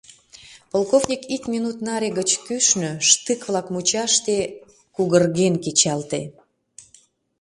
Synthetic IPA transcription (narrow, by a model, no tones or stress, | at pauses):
polˠkovnʲikikmʲinut̪nɑɾʲeɣət͡ɕkyʃnøʃt̪ɨkβlɑkmut͡ɕɑʃt̪e | kuɣərɣenket͡ɕɑlt̪e